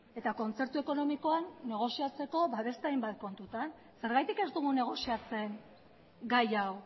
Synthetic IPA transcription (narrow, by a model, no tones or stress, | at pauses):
e̞t̪ako̞nt͡se̞ɾt̪ue̞ko̞no̞miko̞anːe̞ɣ̞o̞siat͡se̞ko̞βaβe̞st̪eajmbat̪̚ko̞nt̪ut̪an | se̞ɾɣajt̪ike̞zd̪uɣ̞une̞ɣ̞o̞siat͡se̞ŋ | ɡajaw